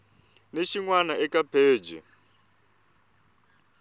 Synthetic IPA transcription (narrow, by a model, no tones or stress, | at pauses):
neʃiŋwanaɛkapʰeːd͡ʒɛ̰